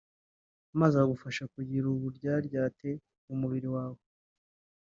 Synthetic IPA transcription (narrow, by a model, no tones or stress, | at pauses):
mazaaɡufaʃakuɟiɾuβuɾɟaːɾɟaːte̞ | umuβiɾiwaːwo